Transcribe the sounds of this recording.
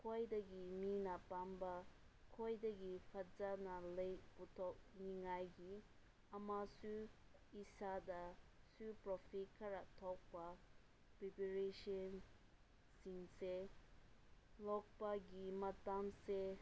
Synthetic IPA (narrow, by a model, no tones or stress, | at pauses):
kʰɔjdəɡiminapamba | kʰɔjdaɡipʰad͡ʒanalejput̪ʰɔk̚niŋajɡi | amasu | isad̪asupɾɔpʰikʰaɾaʔt̪ʰɔk̚ba | pipiɾeʃən | siŋse | lɔk̚paɡimat̪amse